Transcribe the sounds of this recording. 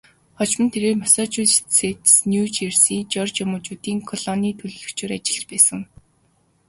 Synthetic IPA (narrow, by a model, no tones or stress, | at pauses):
χɔt͡ɕmə̆nt̪ʰeɾeːrmasɔːt͡ɕusset̪snʲjut͡ɕersiːt͡ɕɔrt͡ɕjamʊːt͡ɕuːt̪iːŋkʰɔɮɔniːt̪ʰɵɮɮɵ̆kt͡ɕʰʊ̆ːɾat͡ɕɪ̆ɮt͡ɕpæːsə̆ŋ